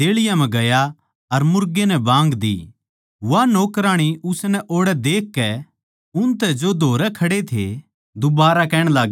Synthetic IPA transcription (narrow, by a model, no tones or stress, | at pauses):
t̪eːɭɪjãmɛ̃ɡɐja | ɐɾmʊɾɡenɛ̃bãːŋɡd̪ḭː | ʋanoːkɾãːɽ̃iʊsnɛʔoːɽɛd̪eːkːɛ | ʊnt̪ɛd͡ʒod̪ʱoːɾɛkʰɐɽet̪ʰḛ | d̪ʊbaːɾakɛːɽ̃laːɡ